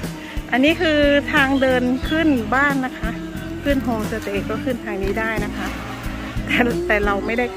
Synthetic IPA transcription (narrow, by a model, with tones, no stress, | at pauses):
ʔa˧nːiː˦˥˨kʰɯː˧t̪ʰaː˧ŋdɤː˧nkʰɯ˥˩˨nbaː˥˩˨nːa˦˥kʰa˦˧˥ʔ | kʰɯ˥˩˨nɦo˧msa˧t̪eː˨˩kɔː˥˩kʰɯ˥˩nt̪ʰaː˧ŋniː˧˥˩daː˥˩jna˦˥kʰa˦˥ʔ | t̪ɛː˧˩t̪ɛː˨˩la˧wma˥˩jda˥˩j